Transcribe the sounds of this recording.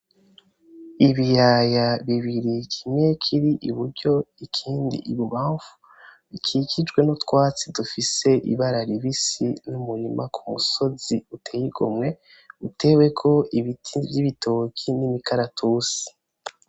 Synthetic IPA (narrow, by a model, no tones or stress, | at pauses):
iβijajaβiβiɾikʰimɲe̞kʰiɾiʔiβuɾɟo̞ikʰiːndḭʔiβuβaːɱvu̥ | βikʰicid͡ʒɡwe̞notkwaːt͡sidufise̞ʔḭβaɾaɾiβisinumuɾimakʰumuso̞ziutʰejiɡomŋe̞ | ute̞ːwe̞kʰo̞iβivjiβitʰo̞kʰinimikaɾatʰusi̥